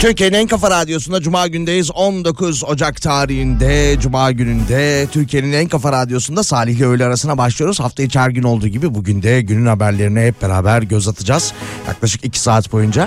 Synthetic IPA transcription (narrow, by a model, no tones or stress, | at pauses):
t̪ʰyɾcieninænkafaɾad̪ijo̞sund̪ad͡ʒumaːɟynd̪ejizond̪o̞kʰuzo̞d͡ʒakt̪ʰaːɾiɦind̪ɛd͡ʒumaːɟynynd̪ɛt̪ʰyɾcʰije̞ninænkafaɾad̪ijo̞sund̪asaːlʲiçlʲiø̞jlʲɛaɾasɯnabaʃlˠijo̞ɾuzhaft̪ʰajɯt͡ʃʰæɾɟyno̞lˠd̪uːɟibibuɟynd̪ɛɟynynhabæɾlʲe̞ɾinɛɦɛp̚beɾa̰ːbæɾɟø̞zat̪ʰɯd͡ʒaz̥ja̰klˠaʃɯ̥kicʰi̥saːt̪bo̞jund͡ʒa